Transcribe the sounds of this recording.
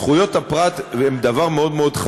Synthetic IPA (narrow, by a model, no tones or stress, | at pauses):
χujo̞t̪hapʁat̪emd̪avaʁmeo̞d̪meo̞d̪χ